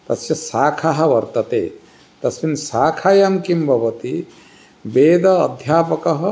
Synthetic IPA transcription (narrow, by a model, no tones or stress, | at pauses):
t̪ɐsjɐsaːkʰaɦɐ̆ʋɐɾt̪ɐt̪ḛː | t̪ɐsminsaːkʰaːjamkimbʱɐʋɐt̪i | beːd̪ɐːd̪ʱjaːpɐkɐɦɐ̆